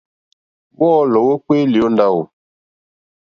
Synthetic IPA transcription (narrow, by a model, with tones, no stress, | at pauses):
wɔː˦lɔ˨wə˦kwe˦li˨o˦nda˦˨wo˨